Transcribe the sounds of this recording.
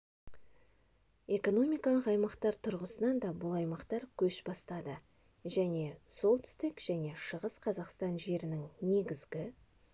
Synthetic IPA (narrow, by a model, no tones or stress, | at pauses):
e̞ko̞no̞mʲijkɑlˠəqɑjmɑqt̪ɑɾt̪ʰʊɾʁəsənɑnd̪ɑbʊlˠɑjmɑqt̪ɑɾkʲʰɵʃbɑst̪ɑd̪ə | ʒæne̞so̞lˠt̪ɪ̥st̪ɪkʒ̥æne̞ʃəʁəsqʰɑzɑqst̪ɑnʒe̞ɾɪnɪŋne̞ɡʲɪzɡʲɪ